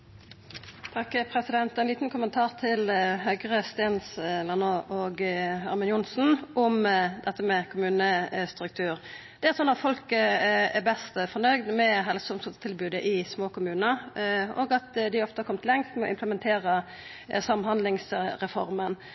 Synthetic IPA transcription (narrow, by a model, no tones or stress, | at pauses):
t̪ʰɑkːpʰʁɛsɪd̪ɛnt̪ɛɪnliːt̪n̩kʰʊmənt̪ʰɑːʁt̪ʰɪlɦœɡʁəst̪eːnslɑnoːʔoːɡhɑɾmɪnjʊnsn̩ʔʊmd̪ɛt̪ːəmɛkʰʊmʉːnəst̪ʁʉk̚t̪ʰʉːʁ | d̪̥ɛæsɔnːɑt̪fɔlkəɛbɛst̪fɔnœʏd̪mɛɦɛlsʊmsɔt̪t̪ʰɪlbʉːd̪əʔɪsmoːkʊmʉːnəo̰ːɡɑt̪d̪ɪɔft̪əhɑɾkɔmt̪lɛŋst̪mɛɔ̰ɪmpʰləmɛnt̪ʰeːʁə | sɑmːhɑnd̪lɪŋsɾɛfɔ̰ʁmən